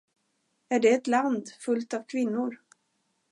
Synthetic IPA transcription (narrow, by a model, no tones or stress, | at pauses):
æɖɛːt̪land̪fɵlt̪avkʰvɪnːʊɾ